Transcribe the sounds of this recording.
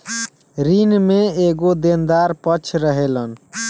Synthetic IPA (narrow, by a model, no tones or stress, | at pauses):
ɾinmeeɡod̪end̪aɾpət͡ʃʰɾəɦelən